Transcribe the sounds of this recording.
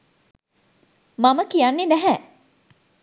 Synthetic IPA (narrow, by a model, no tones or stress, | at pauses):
maməkijanːenæɦɛ